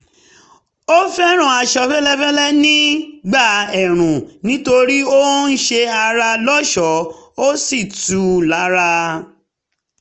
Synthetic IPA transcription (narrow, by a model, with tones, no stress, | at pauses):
o˦fɛ˦ɾ̃ũ˨a˧ʃɔ˧fɛ˦lɛ˦fɛ˦lɛ˦nĩ˦ɡ͡ba˦˨ɛ˨ɾ̃ũ˨nĩ˨˦to˧ɾi˦o˦n̩˦ʃe˧a˧ɾa˧lɔ˦ʃɔ˨˦o˦si˦˨tu˨˦la˨˦ɾa˧